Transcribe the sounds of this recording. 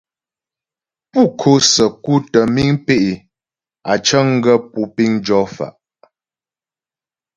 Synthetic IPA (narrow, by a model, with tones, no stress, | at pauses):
pu˦˨kʰo˦sə˨ku˦tə˨mi˦ŋpe˦ʔe˨ | a˨t͡ʃə˦ŋ̩˦ɡə˦pu˦pi˦ŋd͡ʒɔ˦fa̰˨ʔ